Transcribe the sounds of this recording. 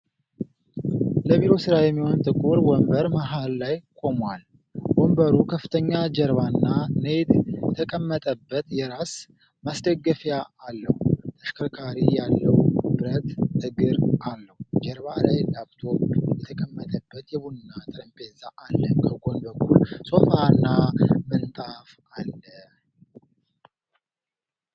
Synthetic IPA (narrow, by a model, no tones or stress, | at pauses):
ləβiɾo̞sɨɾajɛmːihont̪ʼɨkʼuɾwɔmbəɾmaɦalːajkʼo̞mwal | wɔmbəɾukʰəfːɨt̪ʰəɲːad͡ʒəɾβanːaned̪jɛt̪ʰəkʼəmːət̪ʼəbːət̪jɛɾas | masd̪əɡːəfjaːlːəhut̪ʰəʃkʰəkʰaɾijalːəwb̥ɨɾət̪hɨɡɨɾʔalːəhud͡ʒɛɾbalajlabt̪ʰojɛt̪ʰəkʼəmːət̪ʼəbːət̪jɛβunɨnːat̪ʼɾəmpʼezaʔalːəkʰəɡo̞nbəkʰːulso̞fanːamənt̪ʼaf | alːə